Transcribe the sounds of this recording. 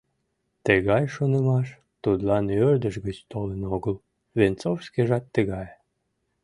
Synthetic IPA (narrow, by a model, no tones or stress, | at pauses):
t̪əɣɑjʃonəmɑʃ | t̪ud̪lɑnørd̪əʃɣət͡ɕt̪olənoɣəl | vent͡sowskeʒɑt̪ːəɣɑj